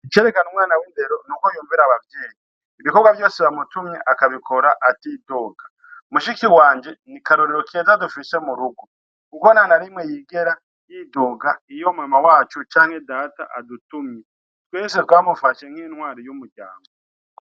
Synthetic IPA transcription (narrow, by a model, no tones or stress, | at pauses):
it͡ʃeɾekanumŋwaːnawiːnde̞ɾo̞nukojuːɱviɾaβavje̞ːjiː | βiko̞bɡwaβjo̞ːseβamutumɲeʔakaβikʰo̞ɾaʔatidoɡḁ | muʃikiwaːɲd͡ʒe̞nikaɾoɾiɾokezadufise̞muɾuɡu | kuonanaɾimwejiːɡeɾa | jidoːɡaijo̞muamawaːt͡ʃut͡ʃaːŋhe̞daːta̰ʔadutumɲe | tweːsetwaːmufaʃe̞ŋ̥iːnhwaːɾijumuɟa̰ːmɡo